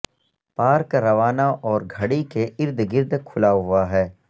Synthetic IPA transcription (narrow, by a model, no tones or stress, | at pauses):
paːɾkɾɐʋaːnaʔɔːɾɡʱɐɽikeɪɾd̪ʱɡɪɾd̪kʰʊlaɦʊaɦɛː